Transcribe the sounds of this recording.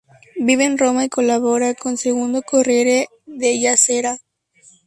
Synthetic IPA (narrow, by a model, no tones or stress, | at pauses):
biβeːnro̞maiko̞laβo̞ɾako̞nseɣund̪okoreɾe | ðeʝaseɾa